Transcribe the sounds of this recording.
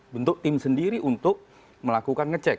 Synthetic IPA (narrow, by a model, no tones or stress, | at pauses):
bənt̪ʊk̚t̪ɪmsəndiɾiʔunt̪ʊk̚ | məlakukanŋət͡ʃɛk̚